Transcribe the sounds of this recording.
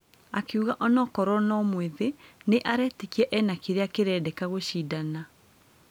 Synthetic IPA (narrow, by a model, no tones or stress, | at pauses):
akeuɣaʔɔnɔkɔɾɔnɔmweðeneʔaɾɛːtekiɛʔɛnakeɾeakeɾɛːdɛkaɣoɕiːdana